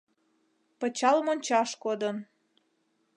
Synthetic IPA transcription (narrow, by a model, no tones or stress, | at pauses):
pə̆t͡ɕɑlmonʲt͡ɕɑʃkod̪ən